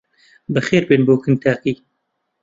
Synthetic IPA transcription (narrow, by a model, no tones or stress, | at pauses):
bɨxeːɾbeːnboːkɨnt̪ʰaːqiː